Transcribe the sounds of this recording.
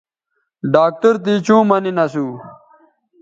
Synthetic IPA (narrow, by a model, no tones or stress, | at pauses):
ɖaːk̚ʈɐɾt̪̬it͡ɕũːmɐninɐsuː